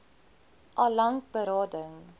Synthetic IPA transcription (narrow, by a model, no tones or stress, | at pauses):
ʔɑlaŋkbəɾɑːdəŋ